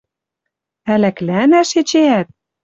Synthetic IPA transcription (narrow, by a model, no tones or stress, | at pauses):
ælæklænæʃet͡ɕeæt̪̚